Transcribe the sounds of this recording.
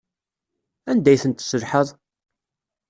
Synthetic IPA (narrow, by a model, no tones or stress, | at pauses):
ænd̪æjθənt̪səlħəðˤ